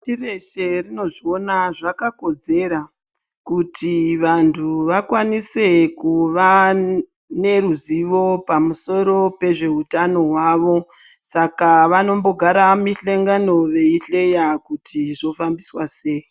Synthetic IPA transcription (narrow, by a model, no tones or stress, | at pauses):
tire̞ʃe̞rino̞ʐio̞naʐakako̞d͡ze̞ɾa | kutiʋantʰuʋakwanise̞kuʋa | ne̞ruziʋo̞pamuso̞ɾo̞pe̞ʐe̞utano̞ɦwaʋo̞ | sakaʋano̞mbo̞ɡʱaɾamiɬeŋɡano̞ʋe̞iɬe̞jakutʰiʐo̞fambiswase̞ːi